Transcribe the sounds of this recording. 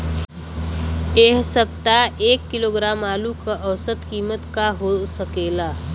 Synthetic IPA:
eɦsəp̚t̪aeːkːɪloːɡɾaːmaːlukəʔəwsət̪kiːmət̪kaɦosəkeːlaː

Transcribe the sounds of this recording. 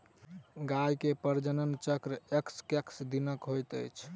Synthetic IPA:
ɡajkepəɾd͡ʒənənt͡ʃəkɾekskeksd̪inəkɦojt̪ə̰jt͡ʃʰ

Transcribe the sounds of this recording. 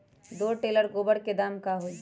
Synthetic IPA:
d̪oːʈeːləɾɡoːbəɽked̪aːmkaɦoi

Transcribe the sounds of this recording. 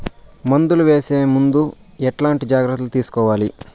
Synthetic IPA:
mɐnd̪uluʋeːseːmund̪u | ɛʈlaːɳʈid͡ʒaːɡɾɨt̪ːulut̪iːsu̥kɔːʋaːli

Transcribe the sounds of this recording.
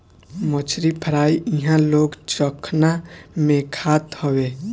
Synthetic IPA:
mət͡ʃʰɾipʰəɾaːiʔɪɦãloːɡt͡ʃəkʰnamẽkʰaːt̪hɔweː

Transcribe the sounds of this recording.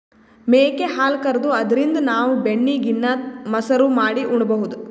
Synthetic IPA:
meːkeɦaːlkɐɾɐd̪uɐd̪ɐɾind̪ɐnaːʋubeɳːiːɡinːɐmɐsɐɾumaːɽiʔuɳɖɐbɐɦud̪u

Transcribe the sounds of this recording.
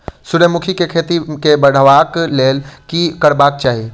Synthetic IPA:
sʊɾəmʊkʰikekʰeːt̪ikebɐɽ̤əʋaːkleːlkikɐɽbaːk̚t͡ʃaːɦie

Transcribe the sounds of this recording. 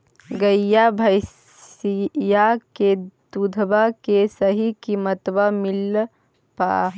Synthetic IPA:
ɡəjjabʱəɪs | jaked̪ud̪ʱbakesəɦikimət̪bamil | pa̰

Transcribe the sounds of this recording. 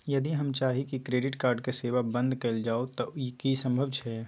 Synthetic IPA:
jɐd̪iɦəmt͡ʃaːɦikikɾeːɖɪʈkaːɾɖkeseːʋabə̃nd̪ʱkeld͡ʒaːot̪ɔkisə̃mbʱəbt͡ʃʰɛ

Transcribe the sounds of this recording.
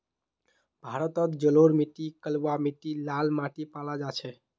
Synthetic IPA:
bʱaɾət̪ət̪d͡ʒəloɾmiʈikəlwamiʈilalmaʈipalad͡ʒat͡ʃʰɛ

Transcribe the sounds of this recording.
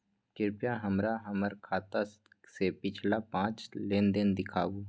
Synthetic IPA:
kɪɾpjaɦəmɾaɦəməɾkʰaːt̪a | sepɪt͡ʃʰlapãːt͡ʃleːnd̪ɪnd̪ɪkʰaːɡuː

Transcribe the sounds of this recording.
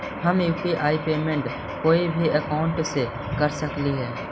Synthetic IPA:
həmjuːpiʔaːipeːmẽɳʈ | koːibʱiəkaːʊ̃ɳʈse | kəɾsəkliɦɛː

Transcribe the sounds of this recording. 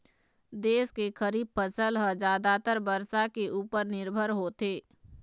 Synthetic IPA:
d̪eːskexʰəɾiːb̚pʰəsəlɦəd͡ʒaːd̪at̪əɾbəɾsakeʔuːpəɾnɪɾbʱəɾɦoːt̪eː

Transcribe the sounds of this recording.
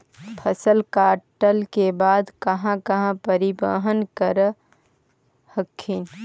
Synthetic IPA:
pʰəsəlkaːʈəlkebaːd̪kəɦãkəɦãpəɾibə̰ɦənkəɾ | həkʰːin

